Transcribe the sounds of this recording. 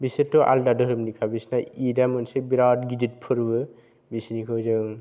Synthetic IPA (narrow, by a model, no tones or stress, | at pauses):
bisɯtːɔʔa̰ldadɯɾɯmnikʰabisnaidamɯnsebiɾawt̚ɡidit̚pʰɯɾbɯ | bisnikʰɯwzɯŋ